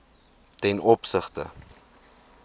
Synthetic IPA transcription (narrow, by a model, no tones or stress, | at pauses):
tɛnɔpsəχtə̰